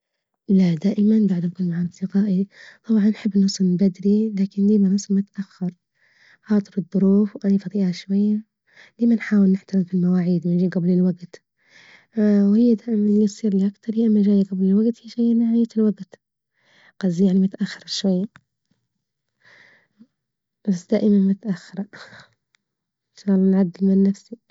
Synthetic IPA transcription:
lad̪aːʔɪmanbaʕd̪nkuːnmaʕasɪqaːʔit̪ˤɑbʕɑnːħɪbːɪnːʊsˤnbad̪ɾilaːkɪnliːmanɑsˤmʊt̪ʔaxːɑɾˤ | xɑːt̪ˤɨɾɨðˤːʊɾuːfwʔanafɑd̪ˤiːʔhaʃwajːa | liːmanħaːwɪlnːɪħt̪aɾɪmfilmawaːʕiːd̪wɪnd͡ʒiːɡablɪlwaɡt̪ | whɪjːad̪aːʔɪmanlisˤiːɾliʔakt̪ɑɾˤiʔamːaʒaːjɡablɪlwaɡt̪hiːʒajːnaʕajːat̪ɪlwaɡt̪ | qɑzjaʕnimʊt̪ʔaxːɪɾˤʃwajːa | basd̪aːʔɪmanmʊt̪ʔaxːɪɾˤɑ | ʃalnʕad̪ːɪlmɪnːafsi

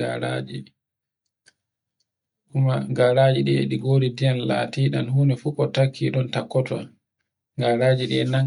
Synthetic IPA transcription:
a̰ɾa̰d͡ʒi | ʔumaɡaɾaːd͡ʒiɗiɛ̰ɗiɡoːɾidijanla̰ːtiːɗa̰nhuːnɛfukɔtakʰːiɗɔntakːɔtɔ̰ | ŋɡaɾaːd͡ʒiɗiɛna

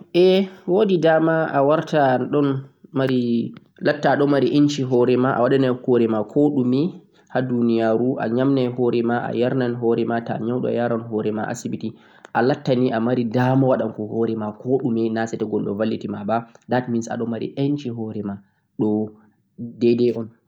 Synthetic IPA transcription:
ʔɛwoːdidaːmaawaɾtaɗɔnmaɾi | latːaːɗɔmaɾiʔent͡ʃiɦɔɾɛmaʔa̰waɗanɛhɔɾɛmakʰɔɗumɛ | hadunijaɾuʔa̰ɲamnɛhɔɾɛmaʔa̰jaɾnanɦɔɾɛmata̰ɲawɗɔ̰jaɾanɦɔɾɛma̰ʔa̰sibiti | ʔalatːaniʔamaɾidamawaɗamkɔhɔɾɛmakɔɗumɛnasɛtɛɡɔlːɔ̰valːitimabadatminsa̰ɗɔmaɾḭʔent͡ʃiɦɔɾɛma | ɗɔ | dɛdɛʔɔn

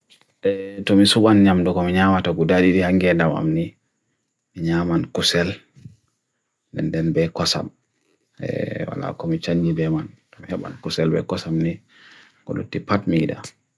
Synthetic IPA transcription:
ʔɛtɔmisuɓanɲamdɔkɔmiɲamatɔɡudaɗiɗihaŋɡɛdama̰mni | miɲamankusɛl | dɛ̰ndɛnbɛkɔsa̰m | ɛ̰wa̰la̰kɔmit͡ʃaɲd͡ʒibɛmantɔmihɛɓa̰nkusɛlbɛ̰kɔsamni | ɡɔ̰lṵtːipatmida̰

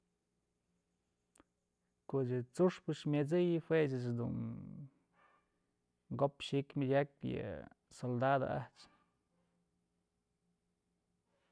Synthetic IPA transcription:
koʔt͡ʃɨt͡suʂpɨʃmʲjet͡sɨjɨhweʔt͡ʃɨt͡ʃd̪ṵn | ɡopʃikmʲadʲak̚jɨ̰ | sold̪ad̪o̰ʔa̰ht͡ʃ

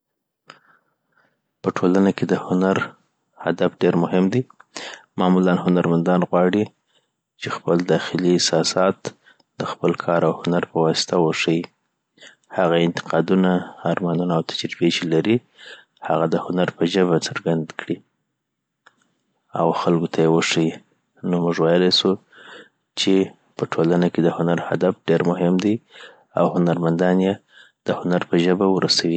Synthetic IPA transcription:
pəʈʰolanaked̪əhʊnaɾ | ha̰d̪afɖeɾmʊhɪmd̪i | mɑmulanhʊnaɾmand̪ɑnɣwɑɽi | t͡ʃexpəld̪ɑxɪliɪsɑsɑt̪ | d̪əxpəlkʰɑɾawhʊnaɾpəwɑsɪ̥t̪awəʂəji | haɣaɪnt̪ɪ̥qɑd̪unaːɾmɑnunaːwt̪ʰad͡ʒɾibet͡ʃelaɾi | haɣad̪əhʊnaɾpəʒəβat͡səɾɡand̪kɽi | awxalɡot̪ʰajewəʂəwi | nomuʐwɑjlasu | t͡ʃe | pəʈʰolanaked̪əhʊnaɾha̰d̪afɖeɾmʊhɪmd̪aj | a̰whʊnaɾmand̪ɑnje | d̪̥əhʊnaɾpəʒəbawəɾasawi

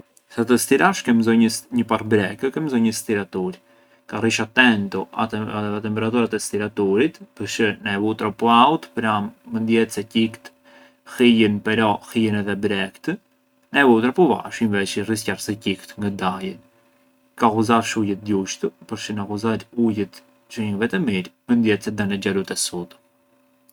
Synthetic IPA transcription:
sat̪əst̪iɾaʃkɛmzɔjɲəɲəparbɾɛkəkɛmzɔjɲəst̪iɾat̪uɾ | kariʃat̪ɛnt̪ua̰t̪aɛt̪ɛmpɛɾat̪uɾat̪ɛst̪iɾat̪uɾit̪pəɾʃənaɛvut̪ɾapɔawt̪pɾamːənd̪jɛt̪sɛcikt̪ | hijənpɛɾɔhijənɛðɛbɾɛkt̪ə | naɛvut̪ɾapɔva̰ʃinvɛt͡ʃiriscarsɛcikt̪ŋɡad̪ajən | kakuzaʃujət̪̚d̪uʃt̪əpəɾʃənakuzaɾujət̪ | t͡ʃuɲəŋvɛt̪ɛmiɾmənd̪jɛt̪sɛd̪anɛd͡ʒalut̪ɛsut̪

